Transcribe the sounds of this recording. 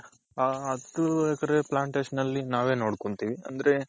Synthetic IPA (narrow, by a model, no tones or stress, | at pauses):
aɐd̪uɛkɐɾeplaːɳʈeːʃɐnɐlːinaːʋe̞ːno̞ːɽkoɳt̪iːʋiɐ̰nd̪ɐɾe̞